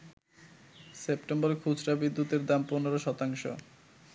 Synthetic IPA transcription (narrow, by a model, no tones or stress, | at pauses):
sepʈembɔɾekʰud͡ʑɾabid̪ːut̪eɾd̪amponeɾoʃɔt̪aŋʃo̰